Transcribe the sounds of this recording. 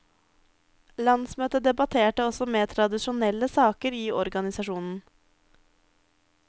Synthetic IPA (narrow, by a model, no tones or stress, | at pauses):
lɑnsmøːt̪əd̪ɛbɑt̪ʰeːʈəɔsɔmeːt̪ʰɾɑd̪ɪʂʊnɛlːəsɑːkəɾiːɔɾɡɑnɪsɑʂuːnn̩